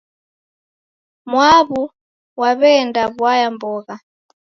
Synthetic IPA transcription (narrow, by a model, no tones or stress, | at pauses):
mwaβu | waβɛndaβwajambɔɣa